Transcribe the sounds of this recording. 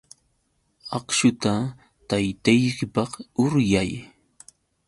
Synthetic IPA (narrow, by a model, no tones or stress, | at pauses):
ɑχʃʊt̪a | t̪ajt̪ajkɪpɑχʊɾjaj